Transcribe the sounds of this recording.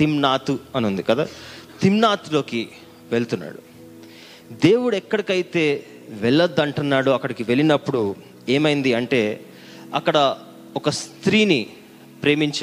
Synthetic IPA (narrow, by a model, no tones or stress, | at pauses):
t̪imnaːt̪uɐnund̪ikɐd̪aːt̪imnaːt̪ulo̞ːki | ʋe̞ɭt̪unːa̰ːɽu | d̪e̞ːwuɽuɛkːɐɽikɐjit̪e̞ː | ʋɛɭːɐd̪ːɐɳʈunːaːɽuɐkːɐɽikiʋe̞ɭinɐpːuɽu | eːmɐjind̪iɐɳʈe̞ː | ɐkːɐɽɐ | ɔkɐst̪ɾiːni | pɾe̞ːmiɲt͡ʃ